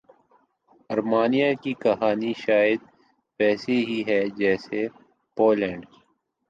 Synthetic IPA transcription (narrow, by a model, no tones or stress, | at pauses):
ɐɾmaːnijakikɐɦaːniʃaːɪd̪̚ | pɛːseɦiɦɛd͡ʒɛːse | poːlɛ̃ːɳɖ